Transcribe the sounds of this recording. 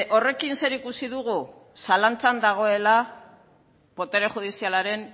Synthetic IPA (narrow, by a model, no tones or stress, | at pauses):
ʔo̞re̞kinse̞ɾikusiðuɣu | salant͡sand̪aɣ̞o̞e̞la | po̞t̪e̞ɾe̞xuð̞isialaɾe̞n